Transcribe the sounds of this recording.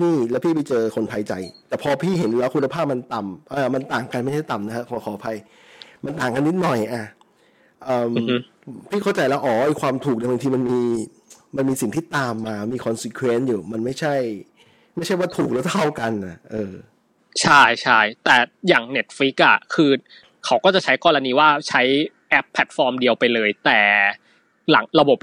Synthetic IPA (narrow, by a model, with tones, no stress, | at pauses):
niː˥˩lɛ˦˥wpʰiː˥˩pa˧jt͡ɕɤː˧kʰo˧npʰa˧jt͡ɕa̰˧jt̪ɛː˨˩pʰɔ˧pʰiː˥˩ɦe˩˦nlɛ˦˥wkʰu˧nːa˧pʰaː˥˩p̚ma˧nt̪a˨˩mʔaː˧ma˧nt̪aː˨˩ŋka˧nma˥˩jt͡ɕʰa˥˩jt̪a˨˩mna˦˥kʰa˦˥kʰɔ˧˨˧kʰɔː˨˦pʰa˧j | ma˧nt̪aː˨˩ŋka˧nːi˦˥t̪̚nɔ˨˩jʔa˨˩ | ʔɤː˨˩m˦ | pʰiː˥˩kʰa˥˩wt͡ɕa˧jlɛː˦˥wʔɔː˩˦ʔa˧˩jkʰwaː˧mt̪ʰuː˨˩k̚da˧˩ba˧ŋt̪ʰiː˧ma˧nmiː˧ | ma˧nmiː˧si˨˩ŋt̪ʰiː˥˩t̪ːaː˧mːaː˧miː˧kʰɔ˧nsi˧kʰweː˦˥njuː˨˩ma˧nma˥˩jt͡ɕʰa˥˩j | ma˥˩jt͡ɕʰa˥˩jwaː˥˩t̪ʰuː˨˩k̚lɛ˦˥wt̪ʰa˥˩wka˧nʔa˨˩ʔɤː˧ | t͡ɕʰa˥˩jt͡ɕʰa˥˩jt̪ɛː˨˩jaː˨˩ŋne˦˥t̪̚fɾi˦˥k̚ʔa˨˩kʰɯː˧ | kʰa˦˥wkɔː˥˩t͡ɕa˨˩t͡ɕʰa˦˥jkɔː˧ɾa˧niː˧waː˥˩t͡ɕʰa˦˥jʔɛ˦˥pʰːɛ˨˩t̪̚fɔː˧mdi˧əwpa˧jlɤː˧jt̪ɛː˨˩ | la˩˦ŋɾa˧bo˨˩p̚